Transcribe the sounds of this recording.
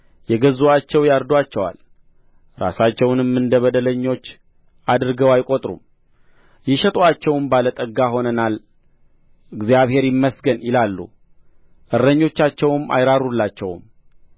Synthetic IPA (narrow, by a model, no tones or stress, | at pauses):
jɛɡəzoat͡ʃːɛwjaɾd̪wat͡ʃːɛwa̰l | ɾa̰sat͡ʃːɛwnɨmːɨnd̪əβəd̪ələɲːo̞t͡ʃː | ad̪ɨɾɨɡəwajkʼot̪ʼɾṵm | jɪʃət̪ʼoat͡ʃːɛwnbalət̪ʼəɡːaɦo̞nənal | ɨɡzijaβhe̞ɾjɪmːəsɡənjɪlalːṵ | ʔɨɾːəɲːo̞t͡ʃːat͡ʃːɛwma̰jɾaɾulːat͡ʃːɛw̰m